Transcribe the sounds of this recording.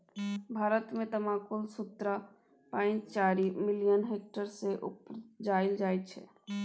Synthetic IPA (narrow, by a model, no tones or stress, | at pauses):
bʱaːɾət̪met̪əmãkulsut̪ɾa | pãɪ̃nt͡ʃt͡ʃaɾimilijənɦek̚ʈəɾseʔṵpd͡ʒaɪld͡ʒajt̪̚t͡ʃʰɛ̰